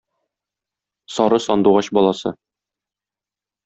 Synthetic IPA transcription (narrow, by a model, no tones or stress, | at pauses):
sɒɾɤsɒnd̪uʁɑɕbɒlˠɑsɤ